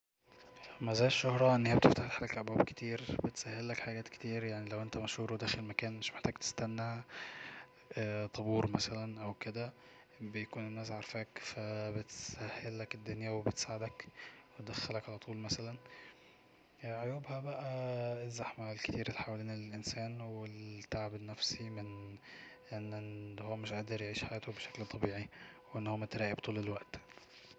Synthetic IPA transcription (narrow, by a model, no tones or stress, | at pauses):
mæzæːjʃːohɾˤɑʔenːhejæbet̪eft̪aħħlækʔæbæːbke̥t̪ʰiːɾbet̪sæhːelːækħaɡæːt̪ke̥t̪iːɾjaʕnilæwʔent̪æmæʃhuːɾd̪æːxelmækæːnmeʃmeħt̪æːɡt̪e̥st̪ænːæ | t̪ˤɑbuːɾmæsælænʔæwked̪æ | bejækuːnenːæːs̬ʕɑɾˤfæːkfæbet̪sæhːelːæked̪ːonjæwebet̪saːʕed̪ækwed̪æxːælækʕalæt̪ʰˤuːlmæsælæn | ʕojuːbhæbæʔæezːaħmælket̪iːɾʔelːiħawæliːnlelʔensæːnwelt̪ːaʕbenːæfsimen | ʔenːʔehowːæmeʃʔaʔd̪ɑɾˤjeʕiːʃħajæːt̪obeʃæklt̪ˤɑbiːʕiwʔenːhomːæt̪ɾæːjibt̪ˤuːlelwæʔt̪